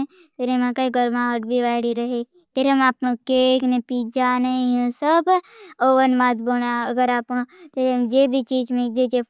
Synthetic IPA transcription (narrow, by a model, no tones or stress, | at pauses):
e | pʰeɾemãkaiɡəɾmãʋəʈbʱiʋaɪɽiɾəɦe | t̪eɾemaːpnokeknepid͡ʒaneũsəboʋənmat̪bonaəɡəɾaːpnõt̪eɾemd͡ʒeːbʱit͡ʃiːd͡ʒmik̚d͡ʒed͡ʒe